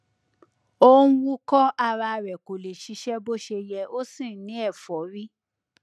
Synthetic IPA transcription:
o˦wũ˦kɔ˦a˧ɾa˧ɾɛ˨ko˨le˨ʃi˨˦ʃɛ˦bo˦ʃe˧jɛ˧o˦sĩ˦˨˦nĩ˨˦ɛ˦˨fɔ˨˦ɾi˦

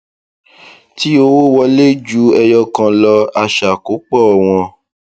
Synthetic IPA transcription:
ti˦o˧wo˦wɔ˧le˦d͡ʒu˦ɛ˧jɔ˧kã˧lɔ˧a˧ʃa˨ko˨˦k͡pɔ˦˨w̃ɔ̃˧

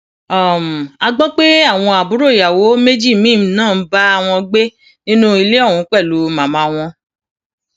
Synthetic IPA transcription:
ɔ˨m˨a˧ɡ͡bɔ̃˦k͡pe˦a˦˨w̃ɔ̃˧a˨bu˨˦ɾo˦˨ja˨wo˨˦me˦d͡ʒi˦˨mĩː˦˨m̩˦nãː˦˨˦ba˦a˧w̃ɔ̃˧ɡ͡be˦ | nĩ˦nũ˦i˧le˦ɔ˦˨ũ˨˦k͡pɛ˦˨lu˨˦mã˨mã˧˦w̃ɔ̃˧

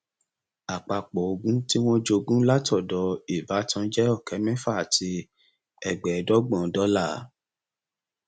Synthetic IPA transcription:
a˨k͡pa˧k͡pɔ˨o˨˧ɡũ˦ti˦w̃ɔ̃˦d͡ʒo˧ɡũ˦la˦tɔ˦˨dɔ˨˦i˨ba˨˦tã˧˦d͡ʒɛ˦ɔ˦˨kɛ˨˦mɛ̃˦fa˦a˨tʰi˧ | ɛ˨ɡ͡bɛ˨dɔ˦ɡ͡bɔ̃˨dɔ˨˦la˦˨˦

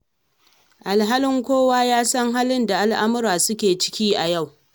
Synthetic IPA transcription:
ʔa˨lɦaː˦lɪ˦ŋkʷoː˦waː˦jaː˦sɐ˦ŋɦaː˦lɪ˦nda˨ʔa˦lʔa˦mʊ˦ɾaː˨sʊ˦kʲeː˨t͡ʃɪ̥˦kʲiː˦ʔa˨ja˦˨w

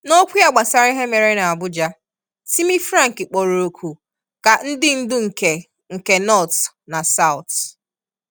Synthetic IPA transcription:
no˦kʷi˦a˨ɡ͡ba˨sa˦ɾɪ˦ɦe˦me˨ɾe˦na˨a˨bʊ˦d͡ʒa˦ | si˦mi˦fɾã˦ŋ̩˨kɪ˨k͡po˨ɾo˨o˨kʰu˨ | ka˨n̩˦dɪ˦n̩˦dʊ˦ŋ̩˨ke˨ | ŋ̩˨ke˨nɔ˦˨t | na˨sa˦˨ʊ˨t

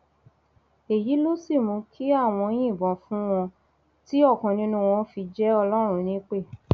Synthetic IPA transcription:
e˨ji˨˦lo˦si˦˨mũ˧kʰi˦a˦˨w̃ɔ̃˧j̃ĩ˦˨bɔ̃˨fũ˦w̃ɔ̃˧ | ti˦ɔ˦˨kɔ̃˨nĩ˧˦nũ˦˧w̃ɔ̃˧˦fi˧d͡ʒɛ˦ɔ˧lɔ˦ɾ̃ũ˧˦nĩ˦k͡pe˦˨

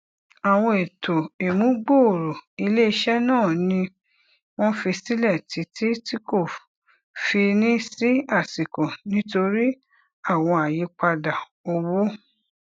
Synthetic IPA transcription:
a˨w̃ɔ̃˧e˨tʰo˨e˨mũ˦ɡ͡bo˦˨ɾo˨i˧le˦i˧ʃɛ˦nãː˦˨nĩ˧˦ | w̃ɔ̃˦fi˧si˦lɛ˦˨ti˨˦tʰi˦ti˦ko˦˨ | fi˧nĩ˦si˦a˦˨si˨kɔ̃˨nĩ˦to˧ɾi˦ | a˦˨w̃ɔ̃˧a˨ji˨˦k͡pa˧da˨ | o˧wo˦

